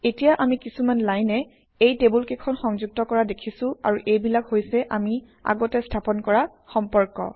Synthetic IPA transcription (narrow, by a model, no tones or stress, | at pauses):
etijaʔamikisumanlajnɛ | ejtebulkekʰɔnxɔŋzuɡ̚tɔkɔɹadekʰisʊ̃a̰ɹuʔejbilakhojsɛʔami | a̰ɡɔtɛstʰapɔnkɔɹa | xɔmpɔɹkɔ̰